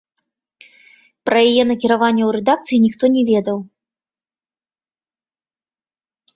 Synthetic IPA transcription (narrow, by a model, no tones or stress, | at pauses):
pɾɐjajɛnɐkʲiɾavanʲːɛwɾɛd̪ak̚t̪sɨjinʲixt̪ɔnʲɛvʲɛd̪ɐw